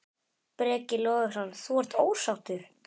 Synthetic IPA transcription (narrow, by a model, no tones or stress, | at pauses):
pɾɛːcɪlɔːɣʏsanθvɔr̥t̪oːwsawt̪ʏɾ̥